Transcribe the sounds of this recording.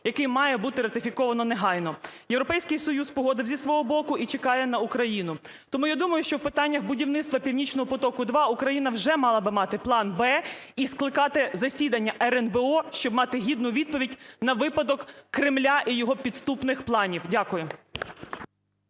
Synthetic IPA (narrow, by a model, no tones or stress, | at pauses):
jɐkɪmɑjɛbut̪ɪɾɐt̪ɪfʲikɔʋɐnɔneɦɑjnɔjewɾɔpɛjsʲkɪjsɔjuspɔɦɔd̪ɪwzʲisʋɔɦɔbɔkʊit͡ʃekɑjɛnɐukɾɐjinʊ | t̪ɔmujad̪umɐjʊʃt͡ʃɔwpɪt̪ɑnʲːɐxbʊdʲiwnɪt̪st̪ʋɐpʲiwnʲit͡ʃnɔɦɔpɔt̪ɔkʊd̪ʋɑukɾɐjinɐwʒɛmɑlˠɐbɪmɑt̪ɪplˠɑnbɛisklˠɪkɑt̪ɪzɐsʲid̪ɐnʲːɐʔɛɾɛnbeɔʃt͡ʃɔbmɑt̪ɪɦʲid̪nʊʋʲid̪̚pɔʋʲidʲnɐʋɪpɐd̪ɔkːɾɪmlʲaʔijɔɦɔpʲid̪st̪upnɪxplˠɑnʲiwdʲakʊjʊ